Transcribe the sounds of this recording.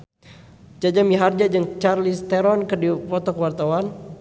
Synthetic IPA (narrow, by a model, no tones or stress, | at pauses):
d͡ʒad͡ʒamiɦard͡ʒad͡ʒɨŋt͡ʃarlist̪ɛɾɔnkɨrdipɔt̪ɔkəwart̪awan